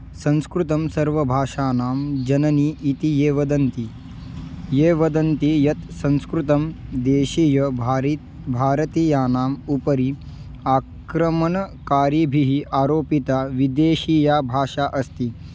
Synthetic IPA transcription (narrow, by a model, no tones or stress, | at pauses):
sɐ̃nskɾut̪ɐmsɐɾʋɐbʱaːʂaːnaːmd͡ʒɐnɐniʔːt̪ijeːʋɐd̪ɐnt̪i | jeːʋɐd̪ɐnt̪ijɐt̪sɐ̃nskɾut̪ɐmd̪eːʃijɐ | bʱaːɾɐt̪ijaːnaːmupɐɾi | aːkɾɐmɐnɐkaːɾibʱiɦiaːɾoːpit̪aːʋid̪eːʃiːjaːbʱaːʂaːʔɐst̪i